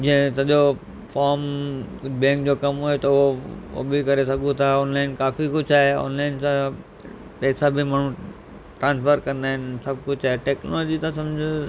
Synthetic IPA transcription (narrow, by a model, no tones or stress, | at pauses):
d͡ʑɐ̃ɦɪ̃sɐʄo | faːɾm | bɛ̃ːŋkd͡ʑokɐmɦoet̪ɐʊɦoo̰bikɐɾesɐɡũt̪ʰaɔːnlaːɪnkaːfikʊd͡ʑʱaːɦeɔ̰ːnlaːɪnsã | pɛːsãbʱɪmaːɳ̤ũ | ʈɾãːnsfəɾkɐ̃nd̪aːɦɪnɪsɐb̚kʊd͡ʑʰaːɦeʈeːknoːloːd͡ʑit̪ɐsɐ̃md͡ʑʱɪ